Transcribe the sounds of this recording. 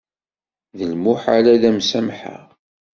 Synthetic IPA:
ðəlmʊħaɾæðæmsæmħa̰ʁ

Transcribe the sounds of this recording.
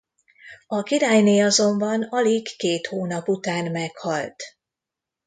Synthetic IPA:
ɒkiɾaːjneːɒzo̞mbɒnɒliɡːeːt̪hoːnɒput̪aːnmɛkhɒlt̪

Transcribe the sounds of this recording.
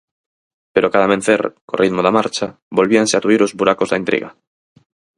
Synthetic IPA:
peɾokaðaβẽn̟θeɾko̰riðmoðamaɾt͡ʃa | bolβianseat̪uiɾozβuɾakozðaint̪ɾḭɣa̰

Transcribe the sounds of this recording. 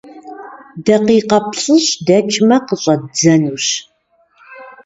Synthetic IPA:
dɐqiːqɐpɕʼɨɕdɐt͡ʃʰʼmɐqəɕʼɐd͡zɐnuːɕ

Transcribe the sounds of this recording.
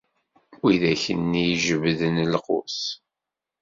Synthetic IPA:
wiðæçənːijʒəvðənlqʊ̰s

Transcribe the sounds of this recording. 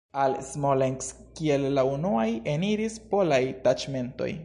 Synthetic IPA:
alsmoleŋks | kie̞lːaunuaje̞niɾispo̞lajtat͡ʃme̞nto̞̰j

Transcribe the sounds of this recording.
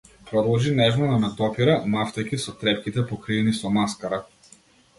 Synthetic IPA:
pɾɔd̪lˠʒinɛʒnɔnanad̪ɔpiɾamaft̪akʲisɔt̪ɾɛpkʲit̪ɛpɔkɾinisɔmaskaɾa

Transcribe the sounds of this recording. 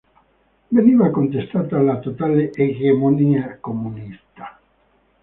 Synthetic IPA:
veniːvakont̪est̪aːt̪alat̪ot̪aːleʔeɣemoniːakomːunist̪ḁ

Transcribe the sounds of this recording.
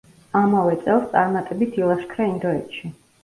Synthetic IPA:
amavɛt̪sʼɛlˠst̪sʼaɾmat̪ʼɛbit̪ʰilˠaʃkʰɾaind̪ɔɛt̪ʃi

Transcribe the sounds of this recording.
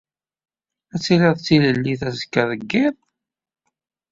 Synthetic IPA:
æt͡sːilɪðˤt͡sːiləlːiθæzəkːæðˤəɡːɪðˤ

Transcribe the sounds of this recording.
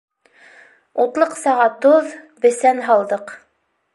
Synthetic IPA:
ut̪lˠɤqsɑʁɑt̪oð | bɘ̆sænɦɑlˠd̪ɤq

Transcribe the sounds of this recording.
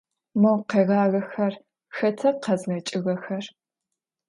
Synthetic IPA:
mɐwqeːɣaːɣɐxɐr | xɐtʰɐqɐzɣɐt͡ʃʼɪɣɐxɐr

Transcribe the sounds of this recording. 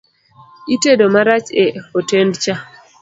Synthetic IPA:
itedomaɾat͡ʃeotendt͡ʃa

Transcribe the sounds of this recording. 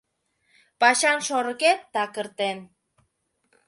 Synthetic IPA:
pɑʃɑnʃoɾəket̪̚d̪ɑkəɾt̪en

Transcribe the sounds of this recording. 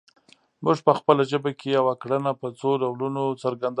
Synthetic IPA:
muʒpəxpəlaʒəbakejawakɽənapət͡soɾawlunot͡səɾɡand̪

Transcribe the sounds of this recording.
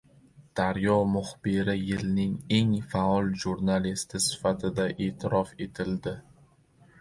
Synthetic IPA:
d̪̥aɾjɒmʊχbɪɾɪjɪlnɪŋe̞ŋfaɒlˠʒuɾnalist̪ʰɪsɪ̥fat̪ʰɪd̪aʔe̞ːt̪ʰɪɾɒfe̞t̪ʰɪld̪ɪ

